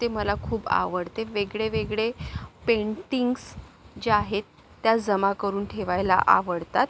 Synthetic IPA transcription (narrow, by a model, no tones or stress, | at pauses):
t̪eməlakʰuːba̰ʋəɽt̪eʋeɡɭeʋeɡɭepeɳʈiŋɡs | d͡ʑeaɦet̪ː | jad͡zəmakəɾuːnʈʰeʋajla̰ʔa̰ʋəɽt̪at̪̚